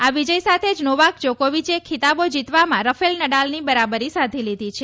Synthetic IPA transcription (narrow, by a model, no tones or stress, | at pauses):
aʋid͡ʒəjsat̪ʰed͡ʒnoʋak̚d͡ʒokoʋit͡ʃekʰit̪abod͡ʒit̪ʋamãɾəfelnəɽalnibəɾabəɾisad̪ʱilid̪ʱit͡ʃʰe